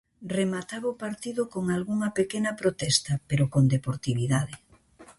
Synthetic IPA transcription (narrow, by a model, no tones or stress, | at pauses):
remat̪aβopaɾt̪iðʊkoŋalɣuŋɐpekenɐpɾot̪ɛst̪ɐpeɾokond̪epoɾt̪iβiðaðɪ